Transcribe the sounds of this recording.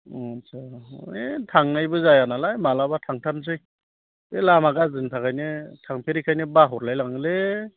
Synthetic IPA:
saetʰaŋnajbɯzajanalajmalabatʰaŋtʰansɯj | belamaɡazɯntʰakajnɯtʰaŋpʰeɾikʰajnɯbaɦɔɾlajlaŋɯle

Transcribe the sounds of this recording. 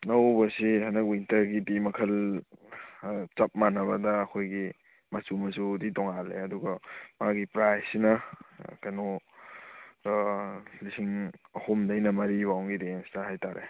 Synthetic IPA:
nɐwbɐsihanɐk̚wintɐɾɡidimɐkʰɐl | t͡ʃɐp̚manɐbɐdɐːkʰojɡi | masumɐsuditɔŋalḛɐduɡɐmaaɡipɾajsinɐkano | lisiŋɐhomdɐjnɐmɐɾiβawŋɡidenstɐhajtaɾḛ

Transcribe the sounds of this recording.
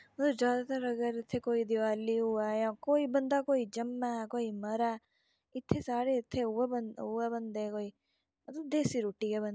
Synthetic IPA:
ɐd̪ud͡ʒaːd̪ɐt̪ɐɾɐɡɐɾit̪ʰːekoːjid̪iʋaɐlːiuʋɐjakoːibɐnd̪akoːjid͡ʒɐmːɐkoːimɐɾɐ | it̪ʰːesaːɾeit̪ʰːeuʋɐbɐnuʋɐbɐnd̪ekoːi | ɐd̪ud̪eːsiɾuːʈːiɡebɐnd̪

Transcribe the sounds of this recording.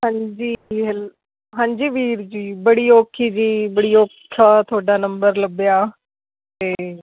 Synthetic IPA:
ɦãːɲd͡ʒiːɦɛl | ɦãːɲd͡ʒiːʋiːɾd͡ʒiːbəɽiːoːkʰiːd͡ʒiːbəɽiːoːkʰːaːt̪ʰʊaːɖaːnəmbəɾləbjaː | t̪eː

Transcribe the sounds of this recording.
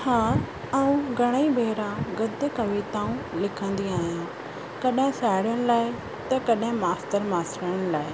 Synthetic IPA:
haː | ɐũɡʱɐɽ̃ibʱeːɾãɡɐd̪kɐʋet̪aːũlɪkʰə̃nd̪iaːɦijã | kɐɗɪ̃saːɪɽjəɽ̃laːɪ | t̪ɐkɐɗɦɪ̃maːstəɾmaːsɾəə̃laːɪ

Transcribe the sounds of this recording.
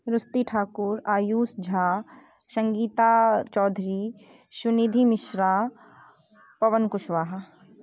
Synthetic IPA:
ɾʊst̪iʈʰaːkuɾaːjuːsd͡ʒʱaː | sə̃ŋɡiːt̪at͡ʃɔːd̪ʱɾi | sʊnid̪ʱimɪʃɾaː | pɐʋənkʊʃʋaːɦ

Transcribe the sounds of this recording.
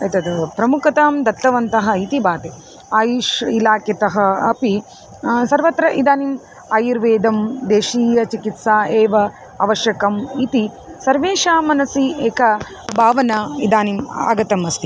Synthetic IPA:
ɐt̪ɐd̪pɾɐmukɐt̪aːmd̪ɐt̪ːɐʋɐnt̪ɐɦɐ̆it̪ibaːt̪e | aːjuʃilaːkjɐt̪ɐɦɐɐpi | sɐɾʋɐt̪ɾɐʔid̪aːnim | aːjiɾʋeːd̪ɐmd̪eːʃiːjɐt͡ʃikit̪saːeːʋɐ | ɐ̰ʋɐʃjɐkɐmit̪i | sɐɾʋeːʂaːmɐnɐsieːkɐ | bʱaːʋɐnɐid̪aːnima̰ːɡɐt̪ɐmɐst̪ʰi

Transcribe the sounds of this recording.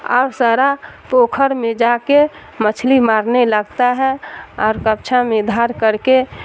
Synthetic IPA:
ə̰bsaɾapoːkʰəɾmẽd͡ʒake | mət͡ʃʰlimaːɾneləɡt̪aɦɛɔːɾkəp̚t͡ʃʰamẽd̪ʱaɾkəɾke

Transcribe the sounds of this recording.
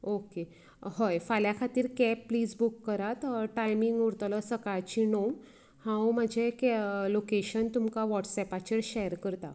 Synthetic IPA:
oke | hɔjfaljakʰat̪iːɾkɛppːliːd͡zbukːəɾat̪ʈajmiŋɡuɾt̪ələsəkaɭt͡ɕiɳom | hãwm̤əd͡ʑʱeklokeɕənt̪umkaʋɔʈsɛpat͡ɕeɾɕɛəɾkəɾt̪a̰

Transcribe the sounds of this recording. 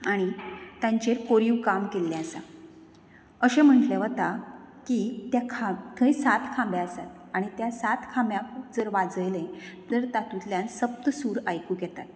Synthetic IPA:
aɽ̃it̪jaɲt͡ɕeɾkoɾiwkamkelːaəsa̰ | əɕẽm̤əɳʈleʋət̪akit̪jakʰakʰəjsat̪kʰãmbeəsat̪̚ | aɽ̃it̪jasat̪kʰãmbjãkd͡zəɾʋad͡zəjlẽt̪əɾt̪at̪ut̪ljãnsəp̚t̪suːɾajkuːɡɛt̪at̪̚

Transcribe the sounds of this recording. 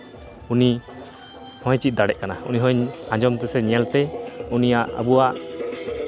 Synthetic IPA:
uni | hɔ̃jt͡ʃit̪̚d̪aɽɛʔ̪̚kanauniɦɔ̃jãd͡ʒɔmt̪ɛsɛɲɛɛlt̪ɛunijaʔə̰buaʔ

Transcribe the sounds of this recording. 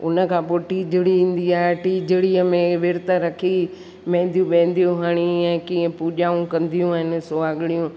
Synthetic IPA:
ʊnə̆kʰãːpoːʈiːd͡ʒɪɽiĩːn̆d̪iaːɦeʈiːd͡ʒɪɽiːəmẽʋɪɾt̪əɾɐkʰi | mɛ̃ːnd̪ijũɓẽːnd̪ijũɦaɽ̃iɛ̃kĩːẽpuːʄaːũkɐ̃nd̪ijũaɦɪnɪ̆soːaːɠɪɽijũ

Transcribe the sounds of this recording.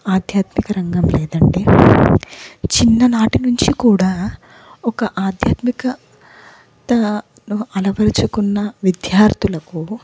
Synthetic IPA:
aːd̪ʱjaːt̪mikɐɾɐŋɡɐmlɛːd̪ɐɳɖeː | t͡ʃinːɐnaːʈinuɲt͡ʃikuːɽaː | ɔkɐʔaːd̪ʱjaːt̪mikɐ | t̪ɐ | nuɐlɐʋɐɾit͡ʃukunːɐʋid̪jaːɾt̪ulɐku

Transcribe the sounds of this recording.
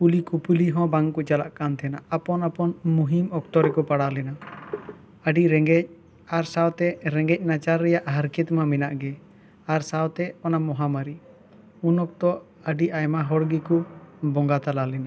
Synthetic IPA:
pulikupuliɦɔ̃baŋkut͡ʃalaʔkant̪ʰɛnaːpɔnapɔnmuɦimɔk̚t̪ɔɾɛkɔpaɽalɛna | əɖiɾɛŋɡɛc̚ | aɾsawt̪ɛɾɛŋɡɛc̚ˀnat͡ʃaɾːɛjaʔɦaɾkɛt̪mamɛnaʔɡɛ | aɾsawt̪ɛɔnamɔɦamaɾi | unɔk̚t̪ɔ | əɖiʔajmaɦɔɽɡikubɔŋɡat̪alalɛna

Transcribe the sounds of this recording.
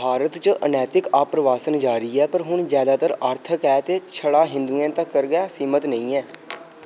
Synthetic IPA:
bʱaːɾət̪t͡ʃəʔənɛːt̪ɪkaːpɾəʋaːsənd͡ʒaːɾiːɛːpəɾɦʊɳzjaːd̪aːt̪əɾəɾt̪ʰəkɛːt̪eːt͡ʃʰəɽaːɦɪ̃nd̪uɛ̃ːt̪əkːəɾɡaːsiːmət̪nə̃ĩːɛː

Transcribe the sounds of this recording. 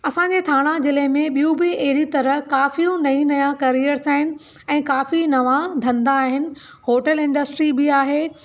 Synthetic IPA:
ɐsãɲd͡ʑeːt̪ʰaːɽ̃ãd͡ʑɪlemẽɓijũbɪeːɾit̪ɐɾəɦkaːfijũnɐĩnɐjãkɐɾijəɾsaːɦɪnɪ̆ | ɛ̃ːkaːfinɐʋãd̪ʱɐ̃nd̪aːɦɪnɪ̆ | hoːʈəlɪ̃ɳɖəsʈɾibɪaːɦeː

